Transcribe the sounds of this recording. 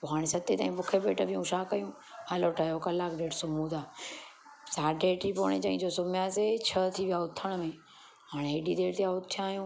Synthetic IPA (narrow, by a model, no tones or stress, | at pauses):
poːɦaːɽ̃esɐt̪et̪aːĩbʊkʰebeːʈəbʱijũʃaːkɐjũ | aːloʈʰajokɐlaːkɖeːʈsʊmũt̪aː | saːɖeːʈipo̰ːɽ̃et͡ɕɐ̃ɦĩd͡ʑoːsʊmjaːset͡ɕʰət̪ʰiʋijaʊt̪ʰəɽ̃mẽ | ɦaːɽ̃eɦeːɖid̪eːʈt̪ijaʊt̪ʰːijaːɦijũː